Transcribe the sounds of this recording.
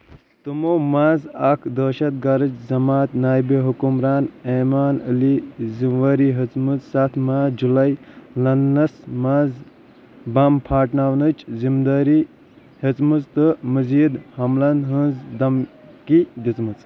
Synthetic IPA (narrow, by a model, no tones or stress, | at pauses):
t̪ɨmoːmaːzɐkʰd̪əːʃɐt̪̚ɡɐɾɨt͡ʃzɐmaːt̪naːjbeɦukumɾaːneːmaːnəlizinʋɐɾiɦət͡smɨt͡ssɐt̪ʰmaːd͡ʒulɐjlɐnːɐsmaːz | bɐmpʰaːʈnaʋnɨt͡ʃzimd̪ɐɾi | hət͡smɨt͡st̪ɨməziːd̪hɐmlɐnɦə̃nzd̪ɐm | kid̪it͡smɨt͡s